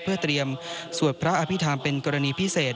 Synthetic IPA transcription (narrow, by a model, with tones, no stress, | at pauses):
pʰɯ˥˩ət̪ɾi˧əm | su˨˩ənpʰɾa˦˥ʔa˧pʰi˦˥t̪ʰaː˧mpe˧nkɔː˧ɾa˧niː˧pʰi˦˥seː˨˩t̪̚